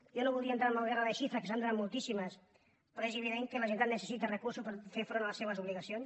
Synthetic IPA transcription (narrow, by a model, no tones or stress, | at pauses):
jonoβulˠd̪iant̪ɾaɾmalɣeraðeʃifɾakesand̪uɾamulˠt̪isimas | peɾoezeβiðeŋkelaʒent̪anesesit̪arekuɾsuspaɾfeɾfɾonalasːeβazuβliɣasjons